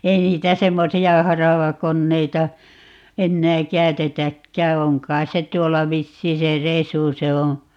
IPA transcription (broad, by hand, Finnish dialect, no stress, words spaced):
ei niːtæ semːosiɑ hɑrɑʋɑkonːeitɑ enːæː kæy̞tetækːæː oŋ kɑi̯s se tuolːɑ ʋisːiː se resu se õː